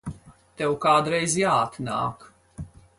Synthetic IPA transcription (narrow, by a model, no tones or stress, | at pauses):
t̪ɛwkaːd̪ɾɛjzjaːt̪na̰ːk